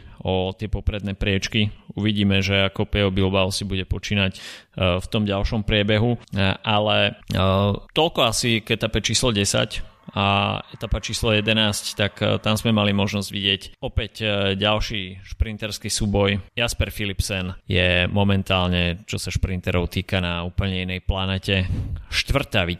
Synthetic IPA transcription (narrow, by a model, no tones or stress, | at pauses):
ɔt̪ɪɛpɔpɾɛd̪nɛpɾɪɛt͡ʃkiuʋiɟiːmɛʒɛakɔpɛɔbilbaʊsibuɟɛpɔt͡ʃiːnacft̪ɔmɟalʃɔmpɾɪɛbɛɦuʔalɛ | t̪ɔlkɔasiɡɛt̪apɛt͡ʃiːslɔɟɛsa̰c | aɛt̪apat͡ʃiːslɔjɛd̪ɛnaːsct̪akt̪amzmɛmalimɔʒnɔzɟʋiɟɪɛcɔpɛcɟalʃiʃpɾint̪ɛɾskisuːbɔjjaspɛɾfilipsɛnjɛmɔmɛnt̪aːlɲɛt͡ʃɔsaʃpɾint̪ɛɾɔʊt̪iːkanauːpl̩ɲɛinɛjplanɛːcɛʃt̪ʋr̩t̪aʋi